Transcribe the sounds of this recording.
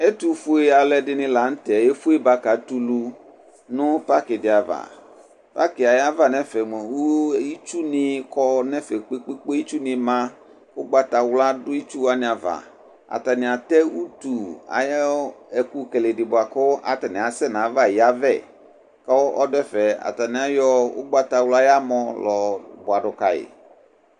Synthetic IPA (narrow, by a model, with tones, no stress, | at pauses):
e˦t̪u˨fu˦e˦a˨lɛ˨dɪ˦nɪ̃˦la˨n̩˦t̪ɛ˨e˦fu˦e˦ba˦ka˨t̪u˦lu˦ | nʊ̃˦pa˦kɪ˨dɪ˨a˨va̰˨ | pa̰˦kɪ˨a˨ja˦va˦˨nɛ̃˦fɛ˨mɛ˨wu˦i˦t͡ʃu˦nɪ̃˨kɔ˦nɛ̃˦fɛ˨k͡pe˦k͡pe˦k͡po˦i˦t͡ʃu˦nɪ̃˨mã˦ | kʊ˦ɡ͡ba˦t̪a˨wla˦dʊ˦i˦t͡ʃu˦wa˦nɪ̃˨˦a˨va̰˨ | a̰˨t̪a˨nĩ˨a˨t̪ɛ˦wu˦t̪u˨a̰˨jɛ˦e˨ku˦ke˨le˨di˨bʊ˨a˨kɔ˦ʔa̰˨t̪a˨nĩ˨a˨sɛ˦nã˨˦va˦˨ji˨a˦vɛ̰˦˨ | ka˦wɔ˦ʔɔ˦dɛ˦fɛ˨a̰˨t̪a˨nĩ˦a˦jɔ˦wo̰˦ɡ͡ba˦t̪a˨wla˦ja˦mɔ̃˦lɔ˨bʊ˨a˨ɖʊ˨ka˨jḛ˨